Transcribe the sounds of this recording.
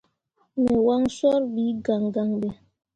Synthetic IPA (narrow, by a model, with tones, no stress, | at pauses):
mɛ˨wa˦ŋsɔ˦ɾbi˨˦ɡa˨ŋɡa˨ŋbɛ˨